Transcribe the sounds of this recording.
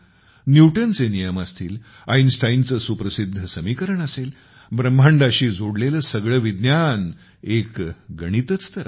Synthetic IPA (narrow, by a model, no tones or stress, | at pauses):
njuʈənt͡senijəmast̪iːl | ajnsʈajnt͡səːsupɾəsid̪ʱːəsəmikəɾəɳəsel | bɾəmʱaɳɖaɕiːd͡zoɽleləsəɡɭəʋid̪njan | ekɡəɽ̃it̪ət͡st̪əɾa̰